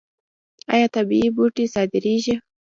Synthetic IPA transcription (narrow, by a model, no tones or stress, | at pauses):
ɑ̰jɑt̪abiibuʈisɑd̪ɪɾiʒi